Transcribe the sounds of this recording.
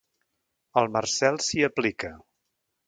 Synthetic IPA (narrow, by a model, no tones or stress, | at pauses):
əlˠmərsɛlˠsiəplikə